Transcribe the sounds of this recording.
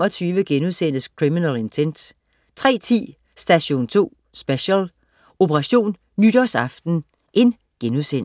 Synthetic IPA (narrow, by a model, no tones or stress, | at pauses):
ɒ̽t͡sʰyːʋəɡ̥enuðˠsen̰əskʰʁiminæle̝nt͡sʰen̰d̥ | t͡sʰʁɛ̰ːt͡sʰḭː | sd̥æɕo̝̰ːnt͡sʰo̝̰ː | sb̥eɕəl | o̝pʰəʁɑ̈ɕo̝̰ːnːyd̥ɒsɑ̈fd̥n̩ | ʔe̝n | ɡ̥enuðˠsen̰